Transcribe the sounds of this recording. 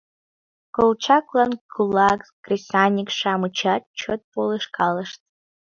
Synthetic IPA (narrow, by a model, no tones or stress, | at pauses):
kolt͡ʃʰakʷʼlanɡulakzɡrisanʲikʂaːmɨt͡ʃʰat̚t͡ʃʰot̪̚pʰʼolɨʂkʼaləʂtʼ